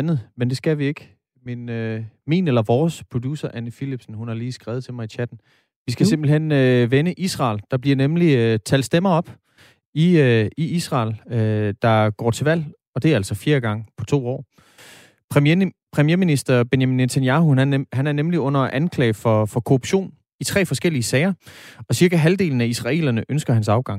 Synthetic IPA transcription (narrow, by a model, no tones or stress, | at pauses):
nð̩ˠmend̥e̝sɡ̥æʋie̝ɡ̥ | menømḭːnelɐʋɒːspʰʁo̝d̥usɐʔænəfilib̥sn̩hunhɑ̈liːsɡ̥ʁɛːð̩ˠt͡sʰe̝mɑ̈ɪit͡ɕʰæd̥n̩ | ʋisɡ̥æse̝mb̥l̩hen̰øʋenəʔisʁɑ̰̈ːld̥ɑ̈b̥liɐnemlit͡sʰæld̥sd̥emɐɒ̽b̥ | iiisʁɑ̰̈ːlød̥ɑ̈ɡ̥ɒ̰ːt͡sʰe̝ʋæl̰ | ɒ̽d̥e̝æɐælsɒfiːɐɡ̥ɑ̈ŋəpʰɒ̽t͡sʰo̝̰ːɒ̰ː | pʰʁpʰʁɛmijeɐminisd̥ɐb̥e̝njæminːet͡sʰænjɑhuhænæɐnemliɔ̽n̰ɐʔænkʰlɛ̰ɪfɒ̽fɒ̽kʰo̝ʁub̥ɕo̝̰ːn | it͡sʰʁɛ̰ːfɒ̽sɡ̥el̰iəsɛɪɐɒ̽siɐɡ̥æɦæld̥e̝̰ːln̩æisʁɑ̈e̝̰ːlɐnəʔønsɡ̥ɐhænsɑ̈ʊɡ̥ɑ̈ŋ̰